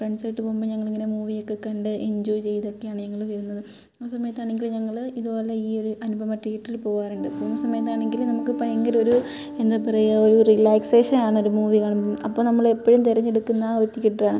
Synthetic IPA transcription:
freɳɖsɐjʈːɨpombɨɲɐŋːɐɭiŋːɐne̞muːʋijo̞kːekːɐɳɖɨʔeɲd͡ʑoːjt͡ɕe̞jt̪o̞kːejaːɳɨɲɐŋːɐɭʋɐɾunːɐðɨː | sɐmɐjɐt̪ːaːɳe̞ŋɡilɲɐŋːɐɭiðubo̞ːlɐiːo̞ɾuʔɐnubʱɐmɐʈːiɣiʈːrilpo̞ːɣaːnuɳɖɨonsɐmɐjɐt̪ːaːɳe̞ŋɡilnɐmukːɨpɐjɐŋɡɐɾo̞ɾu | e̞nd̪aːpɐrɐjɐoɾurilaːkseːʂɐnaːɳɨoɾumuːʋikɐːɳɐmɐmɐpːoːnɐmːɐɭepːɐɻumt̪erɐɲːeɽukːunːɐot̪ːikʲːiʈːaːɳɨ

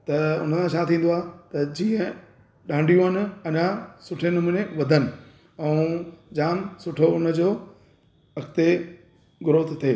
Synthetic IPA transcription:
t̪ɐʊ̰n̤əsʰãt͡ɕʰaːt̪ʰĩːn̆d̪oaːt̪ɐd͡ʑĩːə̃ | ɗãːɳɖʱijũənɪ̆ɐɲãsʊʈʰenʊmuːneʋɐd̪ʱənɪ̆ | ɛ̃ũd͡ʑaːnsʊʈʰoʊnə̆d͡ʑoː | ɐkt̪e | ɡʊɾoːt̪ʰt̪ʰeː

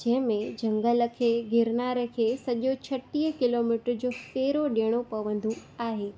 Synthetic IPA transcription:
d͡ʑɛ̃ɦɪ̃mẽd͡ʑɐ̃ŋɡələkʰeːɡʱɪɾnaːɾəkʰeːsɐʄot͡ɕʰɐʈːiːɦkɪloːmiʈɾd͡ʑoːpeːɾoɗeːɽ̃opɐʋə̃nd̪ʱũaːɦeː

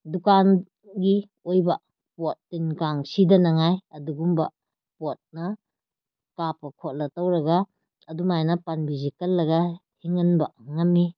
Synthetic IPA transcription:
dukan | ɡi | ojbɐ | pot̚ːinkaŋsidɐnɐŋajɐduɡumbɐ | pot̚nɐ | kapɐkʰot̚lɐtɐwɾɐɡɐ | ɐdumajnɐpanbizikɐlːɐɡɐhiŋɐnbɐŋɐmːi

